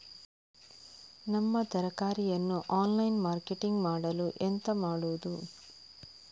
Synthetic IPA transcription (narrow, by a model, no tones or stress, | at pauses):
nɐmːɐt̪ɐɾɐkaːɾijɐnːuʔaːnlɐjnmaːɾkeʈiŋɡmaːɽɐluʔent̪ɐmaːɽuʋud̪u